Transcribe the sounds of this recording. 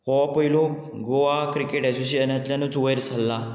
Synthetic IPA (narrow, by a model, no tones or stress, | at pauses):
hɔapəjilõ | ɡoʋakɾikeʈɛsuɕiənat̪ljãnut͡sʋəjəɾsʰalːa